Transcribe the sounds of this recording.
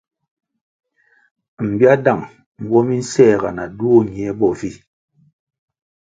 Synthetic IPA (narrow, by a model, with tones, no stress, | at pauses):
m̩˨bi˦a˦da˦˨ŋ | ŋ̩˦ɡwɔ˦mi˦n̩˦sɛː˦˨ɣa̰˨na˨du˦o˦˨ɲ˨ɛ˨˦bɔ˦˨vi˦